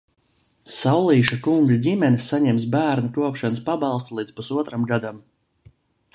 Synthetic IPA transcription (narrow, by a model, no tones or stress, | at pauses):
sawlˠiːʃakuŋɡadʲimɛnsaɲɛms̬bæːɾnakuɔpʃanəspabɑlˠst̪ulˠiːd̪spusuɔt̪ɾamɡad̪am